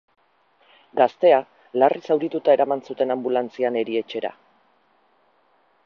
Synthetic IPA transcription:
ɡast̪e̞a | larisawɾit̪ut̪ae̞ɾamansut̪e̞nambulant͡siane̞ɾie̞t͡ʃe̞ɾa̰

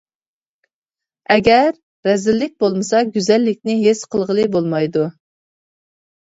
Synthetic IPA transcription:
ɛɡʲɛɾː | ɛzɪlːɪk̚ʲbolˠmɨsɑɡʲyzɛlːɪk̚ʲnɪɦesqʰəlˠʁəlˠɨbolˠmɑjd̪u

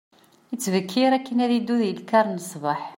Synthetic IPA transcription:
jət͡sːvəkʰːiɾækːənæðid̪ːuðjəlkɑɾˤnəsˤbɑħ

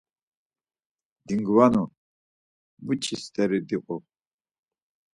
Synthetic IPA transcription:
d̪iŋɡwanɔ | but͡ʃʰist̪ʰɛɾid̪iqʼɔ

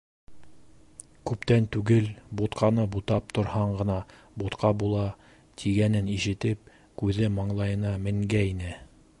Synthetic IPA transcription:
kʉpt̪ænt̪ʉɡɘlbut̪qʰɑnɤbut̪ɑp̚t̪ŏɾhɑɴɢɤ̆nɑ | but̪qʰɑbulˠɑ | t̪ʰiɡænɘniʃɘ̆t̪ɘp̚ | kʉðɘmɑɴlˠɑjɤ̆nɑmɘ̆ŋɡæinɘ

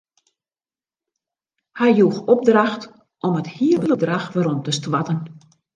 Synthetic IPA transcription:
hɛjjuxɔb̚draxt | ʔɔməthiəbələdraxʋaɾɔmtəstʋatən

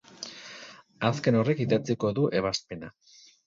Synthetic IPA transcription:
aske̞no̞re̞kiðat͡siko̞ðuʔe̞β̞aspe̞na

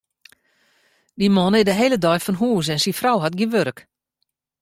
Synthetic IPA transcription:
dimɔnɪdəɦeːlədɔjfɔnɦuːs̬ɛnsinfrawɦatɡinʋøɾk

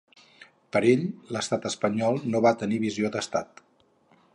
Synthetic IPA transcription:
pəɾeʎləst̪at̪əspəɲɔlˠnoβat̪əniβiziod̪əst̪a̰t̪

